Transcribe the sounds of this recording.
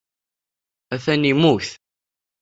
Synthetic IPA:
æθænimuθ

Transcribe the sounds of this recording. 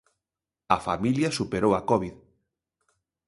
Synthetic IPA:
ɐfa̰miljɐsupeɾowɐkɔβið

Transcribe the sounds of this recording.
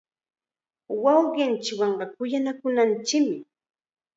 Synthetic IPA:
wɑwɢɪnt͡ʃɪwɑɴɢɑkʊjanakʊnant͡ʃɪkmɪ

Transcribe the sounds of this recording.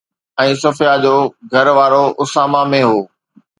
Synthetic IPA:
ɛ̃ːsɐfijad͡ʑoːɡʱɐɾʋaːɾoʔʊsaːmamẽɦoː

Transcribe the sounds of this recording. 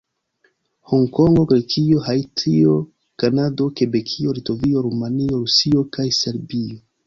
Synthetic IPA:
hoŋko̞ŋɡo̞ɡɾekio̞hajtio̞ | kanado̞ke̞be̞kʰio̞lito̞vio̞ɾumanio̞ɾusio̞kajse̞ɾbio

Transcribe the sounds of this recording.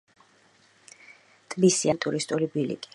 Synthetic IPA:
t̪ʼbisiant̪ʼuɾist̪ʼulibilḭkʼi̥

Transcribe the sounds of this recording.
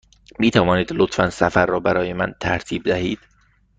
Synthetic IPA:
miːt̪ʰævɒːniːd̪lot̪fænsæfæɾːɒːbæɾɒːjemænt̪ʰæɾt̪ʰiːb̚d̪æhiːd̪̥

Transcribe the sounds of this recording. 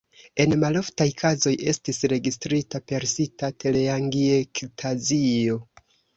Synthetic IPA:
e̞nmalo̞ftajkʰazo̞je̞stisɾe̞ɡistɾitape̞ɾsitate̞leaŋɡiektʰazio̞

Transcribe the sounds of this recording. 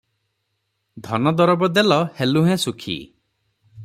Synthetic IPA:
d̪ʱɔnɔd̪ɔɾɔbɔd̪elɔheluɦẽsukʰḭ

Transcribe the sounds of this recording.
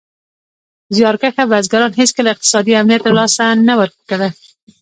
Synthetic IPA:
zjɑɾkaxabazɡaɾɑnɦeskəlaɪq̚t̪ɪ̥sɑd̪iamnijat̪ːalɑsanawəɾkaða

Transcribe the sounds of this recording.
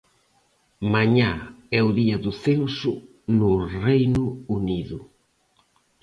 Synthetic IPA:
maɲaɛʊðiɐðʊθensʊ | nʊrejnʊuniðʊ

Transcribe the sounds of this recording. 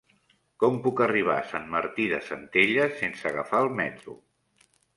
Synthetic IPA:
kɔmpukəriβ̞a̰sanməɾt̪iðəsənt̪eʎəsensəːɣəfaːlˠmɛt̪ɾṵ

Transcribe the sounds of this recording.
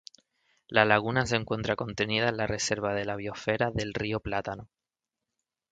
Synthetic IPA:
lalaɣ̞unaseŋkwe̞nt̪ɾako̞nt̪e̞nið̞aenlare̞se̞ɾβ̞að̞e̞laβ̞io̞fe̞ɾaðe̞lrioplat̪ano

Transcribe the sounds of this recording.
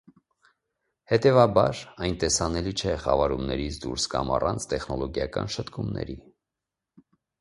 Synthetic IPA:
hɛt̪ɛvɑbɑɾɑjnt̪ɛsɑnɛlit͡ʃʰɛχɑvɑɾumnɛɾit͡sʰd̪uɾskɑmɑrɑnt͡sʰt̪ɛχnɔlɔɡjɑkɑ̰nʃət̪kumnɛ̰ɾi

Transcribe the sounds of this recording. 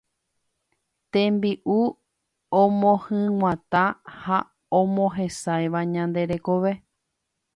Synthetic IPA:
t̪ẽmbiʔu | õmõhɨ̃ŋʷãt̪ãha | õmõɦẽsajʋaɲãnd̪e̞ɾekoʋe̞

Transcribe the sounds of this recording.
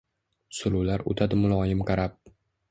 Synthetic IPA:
sʊlʊwlaɾo̰t̪ʰad̪ɪmʊlˠɒːjɪmqɑɾap̚

